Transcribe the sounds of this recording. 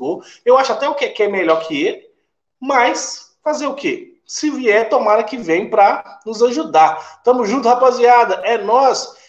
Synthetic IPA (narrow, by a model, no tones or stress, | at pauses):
oewaʃʊat̪ɛʊkekɪɛmeʎɔɾkʰɪelɪ | majs | fazeɾʊke | sɪviɛɾt̪omaɾɐkɪvẽj̃pɾɐnʊzaʒud̪at̪ɐ̃mʊzʒũt̪̬ʊhapoziad̪ɐʔɛnɔs